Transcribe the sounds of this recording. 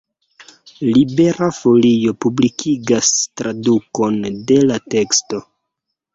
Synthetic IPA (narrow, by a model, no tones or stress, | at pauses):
libe̞ɾafo̞lijo̞publikʰiɡastɾaduko̞nde̞late̞ksto̞